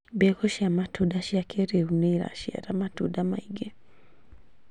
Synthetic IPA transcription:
bekoʃamatudaʃiakʰeɾeuneiɾa̰ʃia̰ɾamatudamaiɡe

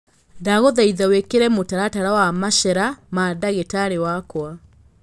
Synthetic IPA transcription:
ndaɣoðaiðawekeɾɛmotaɾataɾawamaʃɛɾamadaɣetaɾewakwa

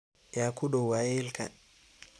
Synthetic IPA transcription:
jakuɗɔwajilka̰

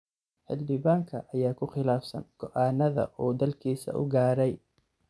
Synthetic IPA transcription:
ħɪld̪ɪβaːŋkʰɐʔɐjaːkʰʊχɪlaːfsɐ̰ŋɡ̥ɔʔaːnɐðɐ̰ʔuːd̪ɐlkʰiːsɐ̰ʔʊ̰ɡaːɾɛj

